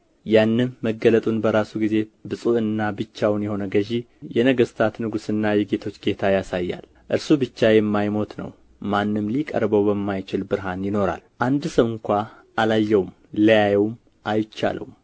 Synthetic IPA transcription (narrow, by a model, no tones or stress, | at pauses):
janːɨnːəɡələt̪ʼunbəɾasuɡize̞bɨsʼuʔɨnːabɨt͡ʃːawnjɛho̞nəɡəʒi | jɛnəɡəst̪ʰat̪nɨɡusɨnːajɛɡe̞t̪ʰo̞t͡ʃːɡe̞t̪ʰajasajːa̰l | ʔɨɾsubɨt͡ʃːajɛmːajmo̞t̪nə̰w | manːɨmlikʼə̰ɾbəwbəmːajt͡ʃɪlbɨɾɦanjɪno̞ɾa̰lʔand̪səwɨŋkʷa | ʔalajːɛwm | ləjajɛwm | ʔajt͡ʃːa̰lʔə̰wum